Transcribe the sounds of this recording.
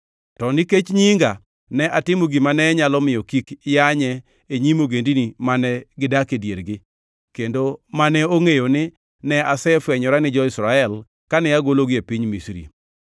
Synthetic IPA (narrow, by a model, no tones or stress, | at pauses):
tɔniket͡ʃɲiŋɡa | nɛʔatɪmoɡimanɛɲalɔmɪjɔkikjaɲɛ | eɲimoɡendinimanɛɡɪdakedjeɾɡɪ | kendomanɛoŋejonɪ | nɛasɛfwɛɲɔɾanɪd͡ʒɔɪsɾaɛl | kanɛjaɡoloɡɪepiɲmisɾḭ